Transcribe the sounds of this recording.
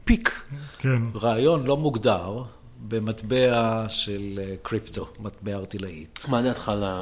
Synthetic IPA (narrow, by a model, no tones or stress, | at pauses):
pikkenʁaːjo̞nlo̞muɡdaʁ | bematbeaʃelkʁipt̪omatbeaːʁt̪ilaḭtmaniatχala